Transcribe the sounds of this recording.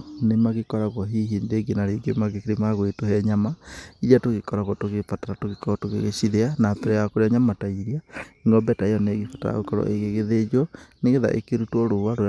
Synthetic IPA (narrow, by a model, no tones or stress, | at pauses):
nemaɣekɔɾaɣɔɦiɦindeɡinaɾeɡomaɣekeɾimaɣwetohɛɲamaijatoɣekɔɾaɣɔtoɣepataɾatoɣekɔɔtoɣḛɣḛʃiðeanapɛɾɛjakoɾeaɲamataiɾiaiŋɡɔmbɛtaejɔneɣefata̰a̰ɣokɔɾɔ̰ʔeɣeɣeðed͡ʒɔneɣeða̰ʔḛkeɾutwɔɾowaɾo